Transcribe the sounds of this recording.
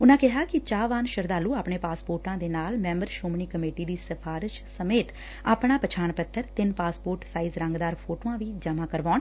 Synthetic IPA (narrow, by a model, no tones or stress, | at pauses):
ʊnãːkɪɦaːkɪt͡ʃaːʋaːnʃəɾd̪aːluːaːpɳeːpaːspoːɾʈãːd̪eːnaːlmɛ̃ːmbəɾʃoːmɳiːkəmeːʈiːd̪iːsəpʰaːɾɪʃsəmeːt̪ | a̰ːpɳaːpət͡ʃʰaːɳpət̪ʰːəɾt̪ɪnpaːspoːɾʈsaːiːzɾə̃ŋɡd̪aːɾpʰoːʈoːãːʋiːd͡ʒəmãːkəɾʋaːn